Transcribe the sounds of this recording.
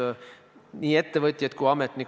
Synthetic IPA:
niːe̞t̪ːevɤt̪ʲˑjɑt̪̚kujɑmet̪ːnik

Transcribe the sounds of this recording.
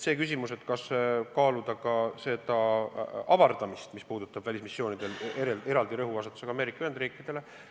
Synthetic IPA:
se̞ːkys̬ʲimuse̞t̪ːˑkɑskɑːlud̪̥ɑkɑse̞d̪̥ɑ | ɑvɑrd̪̥ɑmist̪mispuːd̪̥ut̪ːˑɑb̥vælʲismisːjo̞ːnid̪̥e̞leɾeeɾɑld̪iɾɤɦuɑsɑt̪ːˑu̥seɡɑme̞ːɾikːˑɑyhe̞nd̪riːkːˑid̪̥e̞le̞

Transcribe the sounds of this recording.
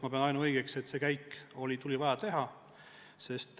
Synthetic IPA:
mɑpe̞ɑnɑjnuɤjɡ̥ekset̪ːse̞ːkæjkːo̞lʲit̪ulʲivɑjɑt̪e̞ɦɑ | se̞st̪

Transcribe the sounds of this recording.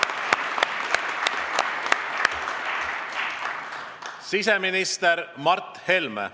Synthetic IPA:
siseminist̪eɾmɑrt̪helmḛ

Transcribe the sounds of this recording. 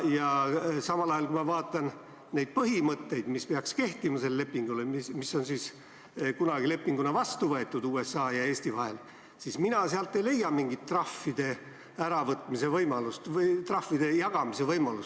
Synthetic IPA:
jɑsɑmɑlɑjɑlkuimɑvɑːt̪ːˑɑn | ne̞jd̪̥̚pɤɦimɤt̪ːe̞jd̪̥mispeɑkske̞ht̪imɑse̞lːele̞pːiŋɡulemimiso̞nsiːs | kunɑɡile̞pːiŋɡunɑvɑst̪uvɤet̪ːˑud̪uːe̞sːɑːjɑe̞ːsʲt̪ivɑɦe̞l | siːsminɑseɑlt̪ːˑejle̞jːɑmiŋɡit̪ːrɑfːid̪̥e̞ | æɾɑvɤt̪ːˑmise̞vɤjmɑlust̪vt̪rɑfːid̪̥e̞jɑɡ̥ɑmise̞vɤjmɑlus

